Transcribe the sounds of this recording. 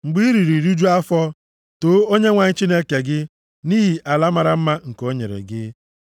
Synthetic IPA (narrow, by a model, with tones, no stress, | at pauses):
ŋ͡m̩˨ɡ͡bi˦ɾi˨ɾi˨ɾu˦d͡ʒu˦a˦fɔ˦ | to˨˦o˦ɲe˦ŋʷa˨ɲɪ˦t͡ʃi˦ne˦ke˨ɡɪ˦ | ni˦ɦi˨ʔa˨la˦ma˨ɾa˨m̩˦ma˦ŋ̩˨ko˦ɲḛ˨ɾḛ˨ɡɪ˦